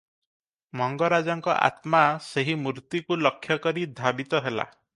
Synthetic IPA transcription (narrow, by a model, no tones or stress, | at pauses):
mɔŋɡɔɾad͡ʒɔŋkɔʔa̰t̪maseɦimuɾt̪ikulɔkʰːjɔkɔɾid̪ʱabit̪ɔɦela̰